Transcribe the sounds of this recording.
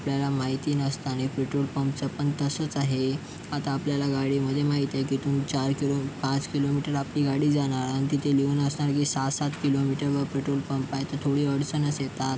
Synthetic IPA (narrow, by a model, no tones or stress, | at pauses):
apljalamaɦit̪iːnəst̪aɽ̃ifɾiʈɾolpəmp̚t͡səpəɳt̪əsət͡saɦe | at̪aːpljalaɡaɽiːməd̪ʱːjemaɦit̪jajkiːt̪uːnt͡ɕaɾkilopãt͡skilomiʈəɾapliːɡaɽiːd͡zaɽ̃aɾanit̪it̪ʰeliunəsɳaɾkiːsat̪sat̪kilomiʈəɾʋəfɾiʈolpəmpajt̪ət̪ʰoɽiːəɽsənəsjet̪at̪